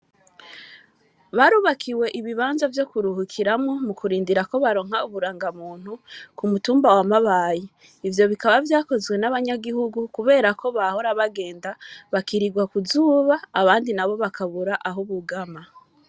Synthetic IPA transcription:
βaɾuːβakʰiwe̞ʔiβiβaːnzavjo̞kuɾuhukʰiɾamŋo̞mukuɾiːndiɾako̞βaɾo̞ːŋ̥hauβuɾaːŋɡamuːn̥hukumutuːmbawamaβaːji | ivjo̞βikaβavjaːko̞zwe̞naβaɲaɡihuɡukuβe̞ːɾako̞βaho̞ɾaβaɡe̞ːndaβakiɾiɡwakuzuːβaːβaːndinaβo̞βakʰaβuɾaʔaɦuβuɡama

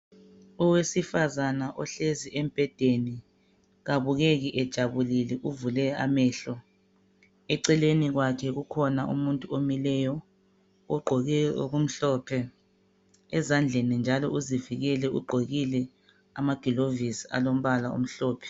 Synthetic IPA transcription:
uwesifazanaʔɔɬeziʔem̩b̥ʱɛd̥ʱeni | ɣaβuɣeɣiʔɛd̥ʒ̥ʱaβulilɛʔuvulɛa̰mɛːɬɔ | ɛǀɛleniɣwakʰɛɣukʰɔnaʔṵmuntʼuomilɛjɔ | ɔɡ͡ǃʱɔ̰ɣum̩ɬɔːpʰɛ | ɛzand͡ɮʱenind͡ʒʱalɔ̰ʔuziviɣɛlɛṵɡ͡ǃʱoɣilɛ | amaɡ̥ʱilovisia̰lom̩βalaṵm̩ɬɔːpʰɛ̥

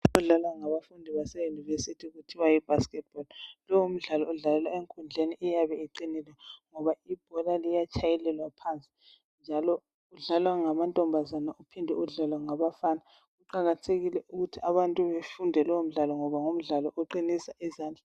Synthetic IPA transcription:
ɔɮalwaŋaβafundʱiβasɛjunivesitʰiɣutʰiwajib̥ʱaskɛt̚b̥ɔllɔwum̩ɮalɔuɮalɛlwaeŋkʼund͡ɮʱeniʔɛjaβɛiǃinilwɛŋɔβaib̥̚ʱɔlalijat͡ʃʰʼajɛlɛlwapʰant͡sʼi̥ | nd͡ʒʱalɔ | uɮalwaŋamantʼɔmbʱazanaʔupʰindʱɛ̰uɮalwaŋaβafaːna | ɣuǃaɣatʰeɣilɛʔuɣutʰiaβantʼuβefundʱɛlɔwum̩ɮalɔŋɔβaŋum̩ɮalɔʔɔǃinisaʔizaːnd͡ɮʱa

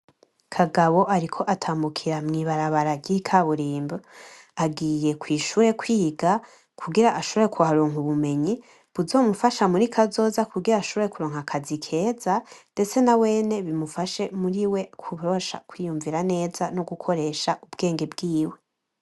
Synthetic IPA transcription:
kʰaɡaβo̞ʔaɾikʰo̞ʔatʰaːmbukʰiɾamŋiβaɾaβaɾaɟikʰaβuɾiːmbo | aɡiːje̞kwiːʃuːɾe̞kwiːɡa | kʰuɡiɾaʔaʃo̞βoɾekʰuɦaɾoːŋuβume̞ɲi | βuzo̞ːmufaʃamuɾikʰazo̞ːzakuɡiɾaːʃo̞βoɾe̞kuɾo̞ːŋhakʰazikʰe̞ːzande̞t͡se̞nawe̞ːne̞βimufaʃe̞muɾiwe̞kʰuɾoʃa̰kwiːjuɱviɾane̞ːzanoɡukʰo̞ɾe̞ːʃaʔubɡe̞ːŋɡe̞bɡiːwe̞

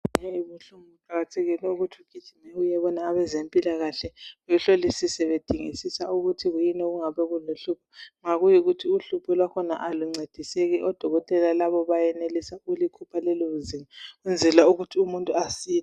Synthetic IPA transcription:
ɛiβuɬumuǃaɣatʰeɣinɛuɣutʰiuɡ̥ʱid̥ʒ̥ʱinɛujɛβɔnaːβɛzempʼilaɣaɬɛujuɬolisisɛβed̥ʱiŋḭsisauɣutʰiɣujinɛɣuŋaβɛɣuloɬupʰɔ̥ŋaɣujiɣutʰiuɬupʰɔlwakʰɔna̰ʔaluŋ͡ǀed̥ʱiseɣiʔɔd̥ʱɔɣɔtʼɛlalaβɔβajɛnelisaulikʰupʰalɛloβuzimaund͡zʱɛlauɣutʰiumuntʼuasiː

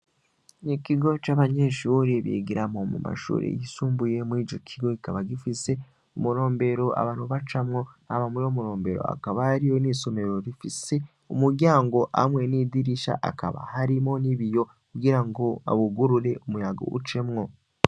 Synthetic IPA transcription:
nikiɡo̞t͡ʃaβaɲe̞ʃuːɾeβḭːɡiɾamo̞mṵma̰ʃṵːɾḛjisuːmbuje̞mwiːd͡ʒo̞kʰiɡo̞ikaβaɡifise̞ | umuɾo̞ːmbe̞ɾo̞a̰βaːn̥huβat͡ʃamŋo̞aβamuɾoːmuɾo̞ːmbe̞ɾo̞̰a̰kaβaɾijo̞niso̞me̞ɾo̞ɾifise̞ | umuɾɟaːŋɡo̞ʔa̰mwe̞niːdiɾiʃa̰ʔa̰ka̰βa̰haɾimo̞niβijo̞ | kuɡiɾaŋɡo̞a̰βuɡuɾuɾe̞ʔumujaɡo̰ʔṵt͡ʃe̞mŋo̞

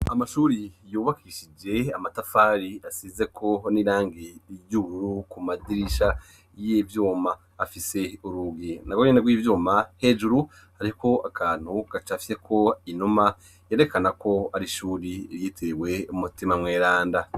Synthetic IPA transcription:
amaʃuːɾijuːβakiiʃid͡ʒe̞amatafaːɾiasize̞kʰo̞niɾaːŋɡijuβuɾukumadiɾiʃa | jivjuːmaː | fise̞uɾuɡinaɡwoɲinaɡwiːvjuːmahe̞ːd͡ʒuɾu | haɾiko̞akʰaːn̥huɡ̥at͡ʃafise̞kʰo̞inuma | jeɾe̞kanako̞aɾiʃuːɾiɾjiːtʰewe̞umutimamŋeːɾaːnda

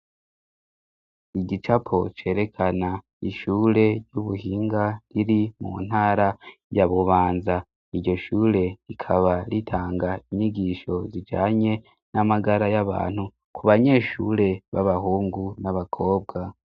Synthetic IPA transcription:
iɟit͡ʃapʰo̞t͡ʃe̞ːɾe̞kʰana | iʃuːɾe̞ɟuβuhiːŋɡaɾiɾimṵn̥haːɾajaβuβaːnza | iɾɟo̞ʃuːɾe̞ɾikʰaβaɾitʰaːŋɡaiɲiɡiʃo̞zid͡ʒaːɲe̞ | namaɡaɾajaβa̰ːn̥hu | kuβaɲe̞ːʃuɾe̞βaβahuːŋɡunaβakʰo̞ːb̚ɡa

